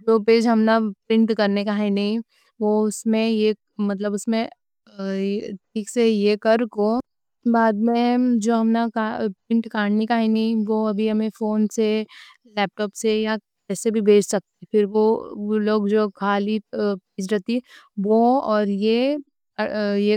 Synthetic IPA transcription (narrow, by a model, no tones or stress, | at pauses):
d͡ʒoːpeːd͡ʒɦɐmnapɾɪ̃ɳʈkɐɾnekaɦɛnɐɦĩ | ʋoʊsmẽe | mɐt̪̬ləbʊsmẽ | ʈʰiːksejekɐɾko | baːd̪mẽd͡ʒoːɦɐmnakapɾɪ̃ɳʈkaːɽnikaɦɛnɐɦĩʋoɐbʱiɦɐmẽfoːnse | lɛːp̚ʈɔːpseja | kɛːsebʱibʱeːd͡ʒsɐk̚t̪epɪɾʋoloːɡd͡ʒoːkʰaːlipeːd͡ʒɾɛɦt̪i | ʋoɔːɾje | je